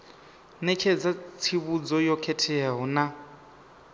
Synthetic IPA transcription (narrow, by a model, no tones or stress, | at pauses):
nɛkʰɛd͡zat͡sʰiβud͡zɔjɔkʰɛtʰɛaɦɔna